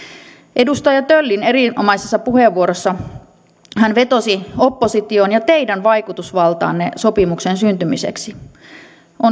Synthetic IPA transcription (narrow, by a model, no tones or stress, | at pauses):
ʔe̞dust̪ɑjɑt̪ølːine̞ɾiomɑjsesːɑpuheʋːuoɾosːɑ | hænʋe̞t̪osio̞pːosit̪ionjɑt̪eidænʋɑjkut̪usʋɑlt̪ɑ̰ːnːeso̞pimuksensynt̪ymisḛksi | ʔo